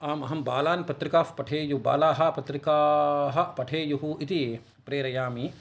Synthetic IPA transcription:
aːmɐɦɐmbaːlaːnpɐt̪ɾɪkaːfpɐʈʰeːjuba̰ːlaːɦɐpɐt̪ɾikaːɦɐpɐʈʰeːjuɦuit̪i | pɾeːɾɐjaːmi

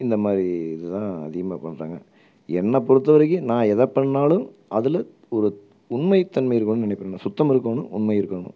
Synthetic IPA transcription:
ɪnd̪ɐmaːd̪ɾiɪðɯt̪ãːɐ̰ðɪɣɐmaːpɐɳːɾa̰ːŋɡɐ̰ | ɛnːɐpɔɽɯt̪ːɐʋɐɾɐkːɯnãːɛðɐpːɐɳːaːlɯm | ʔɐðɪl | ɔɾɯ | ʊɳmɐɪt̪ːɐnmɐɪjɪɾɯkːɐɳːɯnɪnɪpːɐɾɐnːasʊt̪ːɐmɪɾɯkːonɯ̰ʊɳmɐjɪɾɯkːɐɳʊ̰

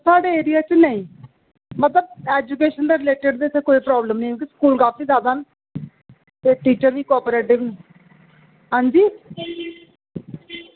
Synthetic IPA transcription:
saːɖeːeːɾɪjaːt͡ʃnəĩː | mət̪ləb̚eːd͡ʒukeːʃənd̪eːɾɪleːʈɪɖd̪eːseːkoːipɾɔːbləmnĩːõːkiskuːlɡaːpːiːdaːd̪aːn | t̪eːʈiːt͡ʃəɾʋiːkɔːpɾeːʈɪʋniː | ɦãːɲd͡ʒiː

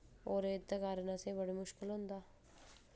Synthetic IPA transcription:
oːɾeːt̪ːakaːɾnasebəɽimʊʃkɪlɦʊ̃nd̪aː

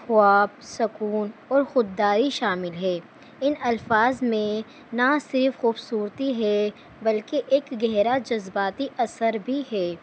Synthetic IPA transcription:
xʊaːb̚sɐkuːnɔːɾxʊd̪ːaːɾiʃaːmɪlɦɛː | ɪnɐlfaːzmẽ | nasɪɾfxuːbsuːɾt̪iɦɛ | bɐlkeʔeːkɡɛɦɾad͡ʒɐzbaːt̪iʔɐsəɾbʱiɦɛː

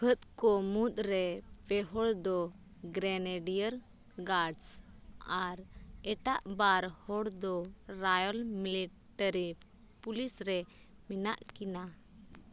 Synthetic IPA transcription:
pʰət̪̚kɔmut̪̚ʼɾɛpɛɦɔɽd̪ɔ | ɡɾɛnɛɖijəɾ | ɡaɖsaɾɛʈaʔbaɾhɔɽd̪ɔɾajɔlmili | ʈəɾi | pulisɾɛ | mina̰ʔkina

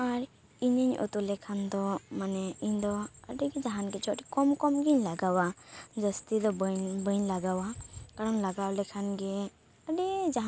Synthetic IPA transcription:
aɾ | iɲəɲṵt̪ulɛkʰand̪ɔmanɛiɲd̪ɔəɖɛɡɛd͡ʒaɦanɡɛt͡ʃʰɔʈɛ̥kɔmkɔmɡiɲlaɡawad͡ʒəst̪id̪ɔbbəɲlaɡawakaɽɔnlaɡawlɛkʰanɡɛ | əɖɛd͡ʒaɦ

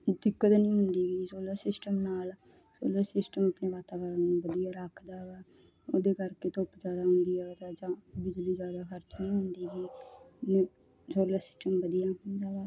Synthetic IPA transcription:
d̪ɪkːət̪nĩːɦʊnd̪iːɡiːsoːləɾsɪsʈəmnaːl | so̰ːləɾsɪsʈəməpneːʋaːt̪aːʋəɾənnũːʋəd̪ijaːɾəkʰd̪aːʋɛː | od̪eːkəɾkeːt̪oːpd͡ʒjaːd̪aːɦʊnd̪iːɦɛːt̪aːd͡ʒãːbɪd͡ʒliːd͡ʒjaːd̪aːkəɾt͡ʃnĩːɦʊnd̪iːɦɛːn | soːləɾsɪ̥sʈəmʋəd̪ijaːɦʊnd̪aːʋɛː

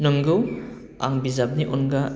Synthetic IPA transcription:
nɯŋɡɯw | a̰ŋbizab̚niʔɔnɡa

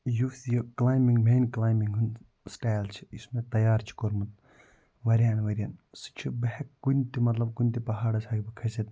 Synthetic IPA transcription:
jufsjoklaːjmiŋɡmeːnklaːjmiŋɡɦun | sʈaːjlt͡ʃʰi̥ismet̪ɐjaːɾt͡ʃʰi̥koɾmɐt̪ | ʋɐɾʲjaːnʋɐɾʲjɐnsi̥t͡ʃʰibɐhekːunʲt̪imɐt̪lɐb̚kunʲt̪ipɐɦaːɽɐsaːɡʰibɐkʰɐset̪

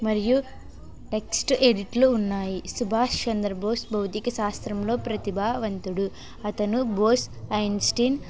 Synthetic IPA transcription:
mɐɾiju | ʈeksʈeɽiʈluːnːaːjisubʱaːst͡ʃɐnd̪ɾɐboːsbɐwt̪ikɐʃaːst̪ɾɐmlo̞ːpɾɐt̪ibʱaːʋɐnt̪uɽu | ɐt̪ɐnuboːsɐjnsʈiːn

